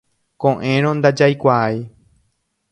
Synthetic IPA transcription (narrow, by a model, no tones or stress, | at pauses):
kõʔẽɾ̃õnd̪ad͡ʒajkʷaaj